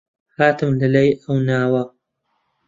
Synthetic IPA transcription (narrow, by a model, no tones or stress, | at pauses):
haːt̪ɨmlɐlɐjʔɐwnaːwɐ